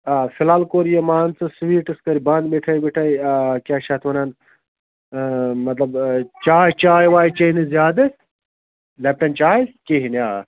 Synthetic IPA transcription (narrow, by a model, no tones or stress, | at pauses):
aːfʰilaːlkoːɾjɐmaːnt͡sɨswiːʈɨskɐɾibɐ̃ːnd̪beʈʰɐjbiʈʰɐjkʲaːʃɐt̪ʰʋɐnɐn | mɐt̪lɐbt͡ʃaːt͡ʃaːjʋaːit͡ʃɐinɨzjaːd̪ɐ | lɐp̚ʈɐnt͡ʃaːjikeɦinʲaː